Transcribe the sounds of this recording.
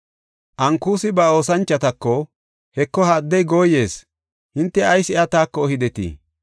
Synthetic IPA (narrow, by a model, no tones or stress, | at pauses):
ʔɐŋkuːsɪbɐo̞ːsɐnt͡ʃːɐt̪ɐkːɔ | hɛkːɔhaːd̪ːɛjɡoːjːe̞ːs | hɪnt̪ːɛɐjsɪat̪aːkːɔːhɪd̪ɛt̪ḭː